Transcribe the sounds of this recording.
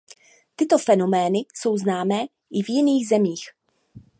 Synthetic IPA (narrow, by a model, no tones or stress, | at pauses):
t̪ɪt̪o̞fɛno̞mɛːnɪso̞wznaːmɛː | ʔɪvjɪniːɣzɛmiːx